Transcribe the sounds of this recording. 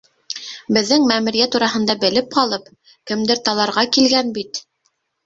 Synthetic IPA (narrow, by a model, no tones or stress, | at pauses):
bɘ̆ðːɘŋmæmɘ̆ɾijæt̪uɾɑɦɤ̆nd̪ɑbɘ̆lɘp̚qɑlˠɤp | kɘ̆md̪ɘɾt̪ɑlˠɑɾʁɑkilɡænbit̪